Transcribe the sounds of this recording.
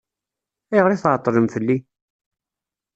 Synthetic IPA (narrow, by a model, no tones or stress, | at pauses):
æjʁɾiθʕt̪ˤːɾəmθəlːi